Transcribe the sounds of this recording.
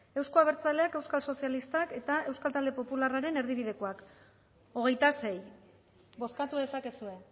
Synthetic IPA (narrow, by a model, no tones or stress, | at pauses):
e̞wsko̞aβ̞e̞ɾt͡sale̞ake̞wskalso̞sjalist̪ake̞t̪ae̞wskalt̪ald̪e̞po̞pularaɾe̞ne̞ɾð̞iβ̞iðe̞ko̞ak | o̞ɣ̞e̞jt̪ase̞j | bo̞skat̪uðe̞sake̞sue̞